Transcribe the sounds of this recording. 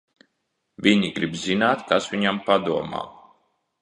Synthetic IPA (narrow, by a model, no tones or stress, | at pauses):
viɲiɡɾibzinaːt̪kasʋiɲampad̪uɔma̰ː